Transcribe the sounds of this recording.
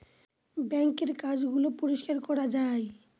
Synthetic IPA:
bɛŋkeɾkad͡ʑɡulopoɾoʃkaɾkɔɾad͡ʑaj

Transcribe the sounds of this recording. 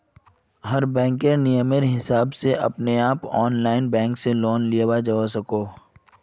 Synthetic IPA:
ɦɐɾbɛ̃ːŋkeɾnijəmeɾɦɪsaːbseʔɐ̰pneaːpɔːnlaːɪnbɛ̃ːŋkseloːnlijewad͡ʒaʋas̬ɐkoː

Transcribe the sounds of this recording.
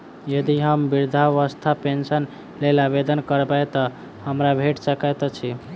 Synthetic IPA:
jəd̪iɦəmbiɾd̪ʱaʋəst̪ʰapensən | lelabed̪ənkəɾbajt̪ɔ | həmɾabʱeʈsəkat̪t͡ʃʰi

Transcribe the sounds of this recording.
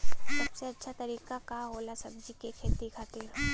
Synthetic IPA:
sɐbseɐtːʃʰat̪ɐɾiːkakaɦoːlasɐbd͡ʒikekʰeːt̪ikʰat̪iːɾ

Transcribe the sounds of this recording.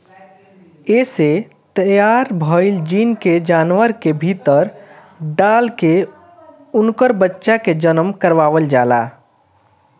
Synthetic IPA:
eːse | t̪əjaːɾbʱɔɪld͡ʒinked͡ʒaːnwəɾkebʱit̪əɾ | ɖaːlke | ʊnkəɾbətːʃaked͡ʒənəmkəɾʋaːʋəld͡ʒaːla̰ː

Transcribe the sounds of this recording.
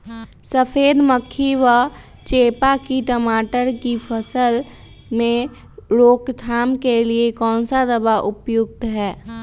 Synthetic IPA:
səpʰeːd̪məkʰːiʋə | t͡ʃeːpakiʈ̪əmaːʈəɾkipʰəsəl | mẽ | ɾoːkt̪ʰaːmkeliekɔ̃ːnsad̪əbaʔʊpjʊɡ̚t̪ɦɛː

